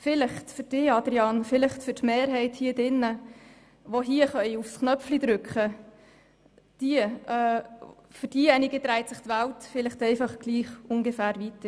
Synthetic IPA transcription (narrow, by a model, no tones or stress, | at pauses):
fɪlɪχtfʏɾd̥ɪɑd̪ɾiɑnfɪlɪχtfʏɾtmeːɾɦɛɪthiːdɪnːə | ʋoɦiəχœʏufsknœflid̥̪ɾʉkχə | d̥iəɛːfʏɾd̥ijɛniɡit̪ɾæɪtsɪχtʋæltfɪlɪχtɛɪfɑχɡ̥liːχʊŋɡəfæːɾʋit